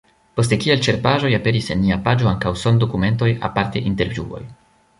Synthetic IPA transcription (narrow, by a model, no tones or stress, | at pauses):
po̞s̬tekielt͡ʃe̞ɾpaʒo̞jape̞ɾise̞nːiapad͡ʒo̞aŋkawso̞ndo̞kume̞nt̬o̞ja̰paɾte̞ʔinte̞ɾvjuo̞̰j